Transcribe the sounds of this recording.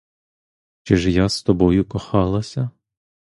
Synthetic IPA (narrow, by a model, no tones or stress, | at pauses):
t͡ʃɪʒjast̪ɔbɔjʊkɔxɑlˠɐsʲɐ